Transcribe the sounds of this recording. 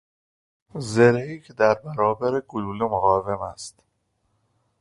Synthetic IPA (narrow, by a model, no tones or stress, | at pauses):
zeɾeiːcʰed̪æɾbæɾɒːbæɾeɡoluːlumoɣɒːve̞mæst̪